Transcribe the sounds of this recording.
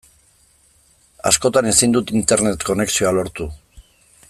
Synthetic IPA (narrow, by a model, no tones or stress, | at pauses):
a̰sko̞t̪ane̞sind̪ut̪int̪e̞ɾne̞t̪ko̞ne̞ksio̞alo̞ɾt̪u